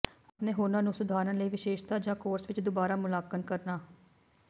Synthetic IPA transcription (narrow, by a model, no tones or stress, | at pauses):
əpnẽːɦoːnãːnũːsʊd̪ʱaːɾənləiːʋɪʃeːʃt̪aːd͡ʒãːkoːɾsʋɪt͡ʃd̪ʊbaːɾaːmʊlaːkənkəɾnaː